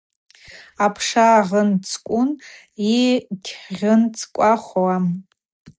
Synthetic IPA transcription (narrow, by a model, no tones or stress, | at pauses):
apʰʂaʁənt͡sʰkʷʼʊn | itʲʰħʁʲɨnt͡sʰʼkʷʼaχʷwam